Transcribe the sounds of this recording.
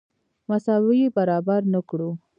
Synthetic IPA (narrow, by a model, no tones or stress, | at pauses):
masɑwijebaɾɑbaɾnəkɽu